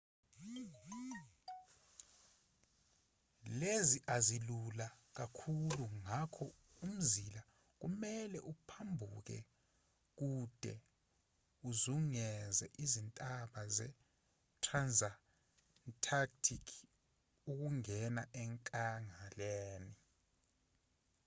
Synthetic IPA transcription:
leziʔazilulak̬akʰuluŋakʰɔ | um̩zila | k̬umɛlɛʔupʰambʱuk̬ɛ̰ | k̬ud̥ʱɛ̰ | uzuŋɛzɛ̰ʔizintʼaɓazɛ | tʰranza | tʰak̚tʰikʰ | uk̬uŋɛnaʔɛŋkʼaŋaleːni

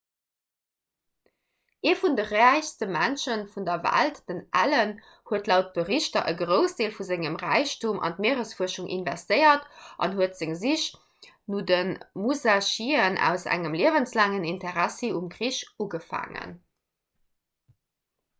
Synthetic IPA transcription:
ʔeːfundəʁæɪçstəmænʃənfundɐvæ̰ltd̥ənʔæ̰lən | huətlæʊt̚b̥əʁiɕtɐʔəɡʁəʊsd̥eːlfuzeŋəmʁæɪɕtumʔɑ̰ntmeːəʁəsfuɐʃuŋʔḭnvæstəɪɐtʔɑ̰nhuətz̥ɪŋziɕ | nuːdənmuzaʃiːənʔæ̰ʊsæ̰ŋəmliəvənslaːŋənintəʁæsiumɡʁiɕuɡəfa̰ːŋə̰n

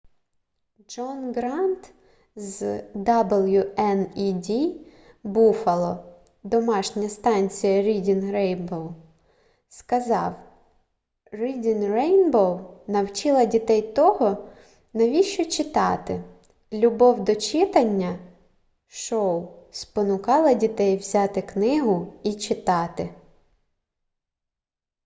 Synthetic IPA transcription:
d͡ʒɔnɡɾɑnt̪ | zd̪ablˠjʊɛnidʲi | bufɐlˠɔ | d̪ɔmɑʃnʲɐst̪ɑnʲt͡sʲijɐɾʲidʲinɾɛjnbɔw | skɐzɑw | ridʲinrɛjnbɔwnɐwt͡ʃɪlˠɐdʲit̪ɛjt̪ɔɦɔ | nɐʋʲiʃt͡ʃɔt͡ʃɪt̪ɑt̪ɪ | lʲʊbɔwd̪ɔt͡ʃɪt̪ɐnʲːɐ | ʃɔwspɔnʊkɑlˠɐdʲit̪ɛjwzʲɑt̪ɪknɪɦʊit͡ʃɪt̪ɑt̪ɪ

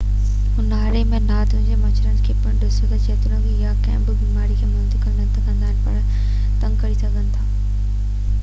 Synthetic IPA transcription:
ʊnaːɾemẽnaːt̪ʊ̃ɪ̃ɲd͡ʑemɐt͡ɕɾənɪkʰeːpɐɽɖʊsʊt̪ɐd͡ʑeːt̪ʊnə̃ɡʰejakɐ̰̃ːɪ̃mbɪbiːmaːɾikʰeːmʊd̪ikɐ̃nd̪ənt̪ʰɐkɐ̃nd̪aːɦɪnɪpɐɾ | t̪ɐ̃ŋɡkɐɾisɐɡʱənɪ̆t̪ʰaː

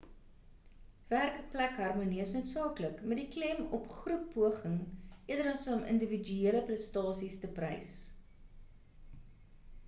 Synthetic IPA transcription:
værkəplækɦɐrmuniəsnuətsɑːkləkmɛtdiklɛmɔpχrupːuəχəŋʔiədəɾɐsəɔmə̰ndəvid͡ʒyiələprəstɑːsistəprə̰js

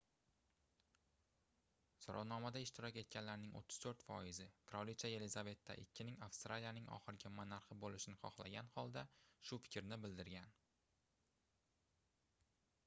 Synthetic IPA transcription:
sɒɾʔɒ̰wnɒmad̪aɪʃt̪ʰɪɾɒkʲe̞t̪̚kʲanlaɾnɪŋʔo̰t̪ʰːɪ̥z̥t̪ʰɵɾt̪fɒjɪzɪkʰɾɒlit͡ʃaje̞lɪzave̞t̪ʰːa̰ʔɪkʲʰːɪnɪŋafst̪ɾalijanɪŋɒ̰χɨɾɡʲamanaɾχɪbolɪʃɪnɪχɒχlˠa̰ɡʲanhɒlˠd̪aʃʊfɪ̥kʲɾnɪbɪld̪ɪɾɡʲan

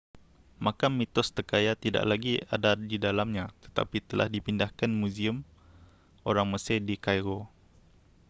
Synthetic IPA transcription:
mãkamːit̪ɔst̪əkajat̪ida̰ʔlaɡia̰dadidalamɲãt̪ə̥t̪a̰pit̪əlʔa̰hdipindahkanmũziəm | oɾaŋməsɪhdikajɾo

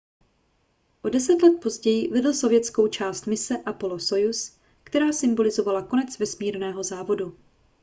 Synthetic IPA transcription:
ʔo̞dɛsɛt̪lɛt̪̚po̞zɟɛjɪvɛdl̩so̞vjɛt͡sko̞wt͡ʃaːst̪mɪsɛʔapo̞loso̞jus | kt̪ɛɾaːsɪmbo̞lɪzo̞valako̞nɛt͡svɛsmiːɾnɛːɦo̞zaːvo̞du

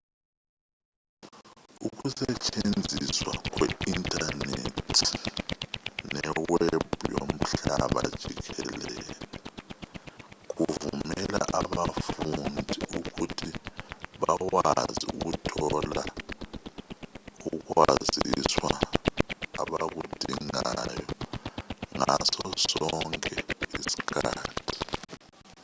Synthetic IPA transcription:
uk̬usɛt͡ʃʼend͡zʱiswak̬wɛintʼanetʰi̥ | nɛweeb̥̚ʱujom̩ɬaɓad̥ʒ̥ʱik̬ɛlɛlɛ | k̬uvumɛlaʔaɓafundʱikukutʰiɓawaaziuk̬utʰɔla | uk̬waziswa | aɓak̬ud̥ʱiŋajɔ | ŋasɔsɔŋkʼɛisi̥kʰaːtʰi̥

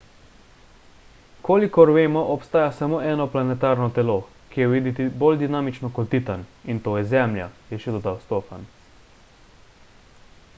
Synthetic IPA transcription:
koːlikɔɾʋeːmɔʔɔpst̪aːjasamoːʔɛːnɔplanɛt̪aːɾnɔt̪ɛloː | kijɛwʋid̪it̪ibold̪inaːmit͡ʃnɔkɔlt̪ːit̪anint̪oːjɛzɛmlja̰jɛʃɛd̪ɔd̪awst̪oːfa̰n

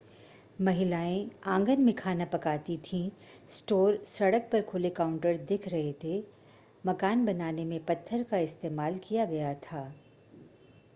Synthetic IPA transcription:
mɐɦɪlaːẽãːŋɡənmɪkʰaːnapɐkaːt̪it̪ʰĩ | sʈoːɾsɐɽək̚pɐɾkʰʊlekaːʊ̃ɳʈəɾd̪ɪkʰɾɐɦet̪ʰe | mɐkaːnbɐnaːnemẽpɐt̪ʰːəɾkaɪst̪eːmaːlkijaɡɐjat̪ʰaː

